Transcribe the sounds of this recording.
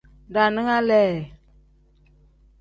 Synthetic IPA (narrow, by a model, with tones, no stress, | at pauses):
da˨nɨ˦ŋa˦lɛ˦˨